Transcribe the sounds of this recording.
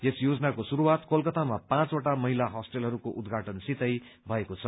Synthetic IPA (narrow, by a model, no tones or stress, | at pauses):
esjod͡zʌnakosuɾuwat̪kolkʌt̪amapãt͡soʈamʌɦilaɦʌsʈelɦʌɾukoʔud̪ɡʱaʈʌnsit̪ʌjbʱʌekot͡sʰʌ